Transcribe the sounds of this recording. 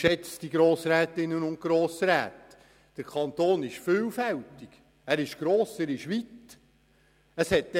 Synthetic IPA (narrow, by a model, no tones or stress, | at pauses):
ʃɛt͡sd̥iɡɾoːsɾæːtɪnːənʊnt̚kɾoːsɾæ̰ːt | d̥əɾkʰɑnt̪oːnɪʃfyːlfæwtɪɡ̥ | æːɾɪʃɡ̥ɾoːsæːɾɪʃʋit | əshɛt̚dɛ